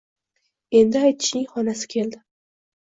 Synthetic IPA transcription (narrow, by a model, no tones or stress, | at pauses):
e̞nd̪ɪajt̪ʰɪ̥ʃɪŋχɒnasɪ̥kʲʰe̞ld̪ɪ